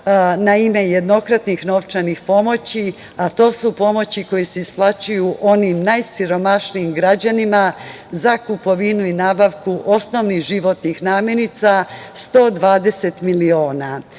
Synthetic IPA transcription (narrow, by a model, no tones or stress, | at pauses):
naime̞jed̪no̞kɾat̪nixno̞ʋt͡ʃanixpo̞mo̞t͡ɕi | at̪o̞ːsupo̞mo̞t͡ɕikojiseisplˠat͡ɕujuʔo̞nimnajsiɾo̞maʃniimɡɾad͡ʑanima | zakupo̞ʋinuinaːbaʋkuʔo̞sno̞ʋnixʒiʋo̞t̪nixnaːmje̞nit̪sast̪o̞ːd̪ʋaːd̪e̞se̞t̪milio̞ːna